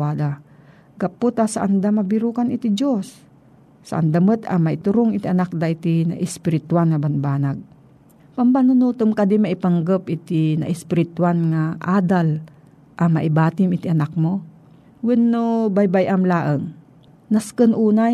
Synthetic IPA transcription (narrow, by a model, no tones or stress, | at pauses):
aːd̪a | ɡɐpːʊt̪asaʔɐnd̪amɐbɪɾuːkanɪt̪id͡ʒosː | a̰ʔa̰nd̪amət̪ɐ̰mɐʔɪt̪ʊɾoŋɪt̪iʔɐnak̚d̪aʔɪt̪inɐ̰ʔɪspɪɾɪt̪wanŋɐbɐnbaːnaɡ̚ | pɐmpanʊnuːt̪ɨmkɐd̪imaʔɪpaŋɡəpʔɪt̪ɪnɐ̰ʔɪspɪɾɪt̪ʊanŋaʔaːd̪al | ʔɐmɐʔɪbaːt̪ɪmɪt̪iʔɐnak̚mo | wɪnːobajbajʔamlaːʔəŋ | naskənʔuːna